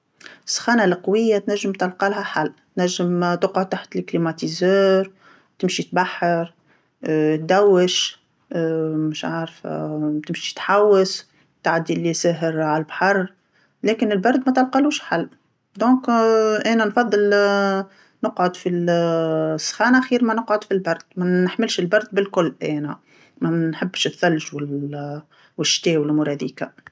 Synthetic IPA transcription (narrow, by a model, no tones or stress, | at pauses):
sˤːxɑːnalqɑwɪjːat̪næʒːəmt̪ɑlqɑlɦæħalːt̪næʒːəmt̪əqʕʊd̪̚t̪aħt̪əlklimat̪izœːɾ | t̪ɪmʃit̪baħːɑɾ | t̪̚d̪æwːəʃ | mʊʃʕaːɾft̪ɪmʃi̥t̪ħawːəs | t̪ʕad̪ːiʔlːisæːɦəɾʕallbħɑrˤ | lɛːkɪnɪlbɑɾˤd̪mæt̪ɑlqɑluːʃħalː | d̪ɔ̃ːkʔæːnænfɑðˤːɨl | nəqʕod̪fi | sːxɑːnʔaxiːɾmænəqʕod̪filbɑɾˤd̪̥mænəħmɪlʃɪlbɑɾˤd̪̚bɪlkʊlːʔɛːnæ | mænħəbːʃɪθːælʒwɪ | wɪʃt̪ɛːwɪlmʊɾˤɑd̪iːka